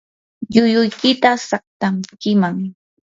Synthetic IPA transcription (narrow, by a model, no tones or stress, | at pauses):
ʎʊjʊjkɪt̪asaχ̚t̪amkɪmaŋ